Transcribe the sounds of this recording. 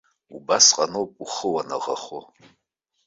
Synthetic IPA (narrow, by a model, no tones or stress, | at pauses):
ubasqʼanowpʼuχəwana̰ʁa̰χo